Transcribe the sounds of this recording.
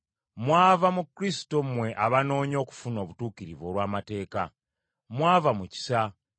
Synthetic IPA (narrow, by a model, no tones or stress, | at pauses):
mwaːvamukɾisi̥to̞mmwe̞ʔaβano̞ːɲo̞ːku̥funo̞ːβutuːkiɾivo̞ːlwaːmate̞ːka̰ | mwaːvamuci̥sa